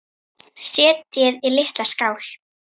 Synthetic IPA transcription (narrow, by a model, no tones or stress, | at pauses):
sjɛːt̪jɛðilɪht̪laskaːwl̥